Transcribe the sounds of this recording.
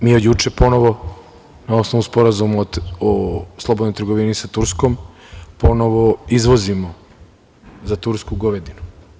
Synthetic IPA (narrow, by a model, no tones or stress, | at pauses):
miːojut͡ʃepo̞no̞ʋo̞ | nao̞snoʋnuspo̞ɾazumaoslˠo̞bod̪nojt̪ɾɡo̞ʋinisat̪uɾsko̞m | po̞no̞ʋoizʋo̞zimo | zat̪uɾskuɡoʋed̪inu